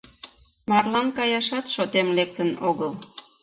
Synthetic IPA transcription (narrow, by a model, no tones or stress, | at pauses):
mɑrlɑnkɑjɑʃɑt̪ʃot̪emlek̚t̪ənoɣəl